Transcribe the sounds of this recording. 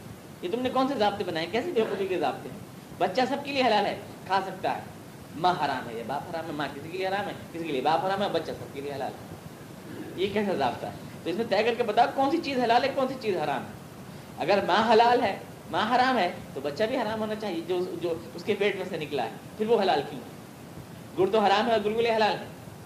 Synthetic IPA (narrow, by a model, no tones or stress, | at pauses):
jet̪ʊmnẽkɔːnsezaːbt̪ẽbɐnaːjẽkɛːsebeːkosikezaːb̚t̪eɦɛ̰̃ː | bɐtːʃasɐb̚kelieɦɐlaːlɦɛː | kʰaːsɐk̚t̪a̰ɦɛ̰ː | mãːɦɐɾaːmɦɛ̰jebaːpɦɐɾaːmɦɛmãkɪsikelieɦɐɾaːmɦɛːkɪsikeliebaːpɦɐɾaːmɦɛɔːbɐtːʃasɐb̚kelieɦɐla̰ːlɦɛ̰ː | jekɛːsaza̰ːbt̪a̰ɦɛ | t̪oɪsmẽt̪ɛːkɐɾkebɐt̪akɔːnsit͡ʃiːzɦɐlaːlɦɛkɔːnsit͡ʃiːzɦɐɾaːmɦɛ̰ː | ɐɡəɾmãːɦɐlaːlɦɛː | mãːɦaɾaːmɦɛːt̪obɐtːʃabʱiɦɐɾaːmɦoːnat͡ʃaːɦied͡ʒod͡ʒoːʊskefeːʈmẽsenɪkla̰ɦɛ̰ːfʰɪɾʋoɦɐlaːlkjũːɦɛ̰ː | ɡʊɽt̪oɦɐɾaːmɦɛɔːɾɡʊlɡʊleɦɐlaːlɦɛ̰̃ː